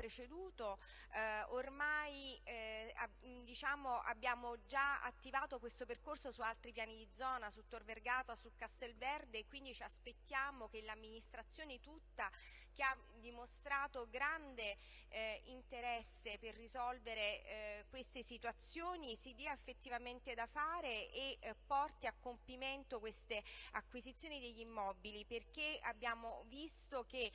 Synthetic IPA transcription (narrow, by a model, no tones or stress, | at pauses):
pɾet͡ʃed̪uːt̪o | ormaj | a | d̪it͡ʃaːmoʔa̰bːjaːmod͡ʒaa̰t̪ːivaːt̪okwest̪operkorsosualt̪ɾipjaːnid̪id̪zːɔːnasut̪ːorverɡaːt̪asukːast̪elvɛrd̪eːkːwind̪it͡ʃiaspet̪ːjaːmok̟elːamːinist̪ɾat̪sːjoːnet̪ut̪ːa | k̟ea | d̪imost̪ɾaːt̪oɡɾand̪e | int̪eɾɛsːeperːizɔlveɾekwest̪esit̪uat̪sːjoːnisid̪iaefːet̪ːivament̪ed̪afaːɾeepːɔrt̪iakːompiment̪okwest̪eakːwizit̪sːjoːnid̪eʎːimːɔbiliperk̟eabːjaːmovist̪ok̟e